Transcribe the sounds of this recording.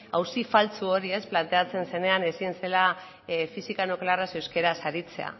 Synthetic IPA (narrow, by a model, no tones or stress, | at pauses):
a̰wsifalt͡suo̞ɾie̞splant̪e̞at͡se̞nse̞ne̞ane̞sie̞nse̞la | fisikanoklearasewske̞ɾasaɾit͡se̞̰a̰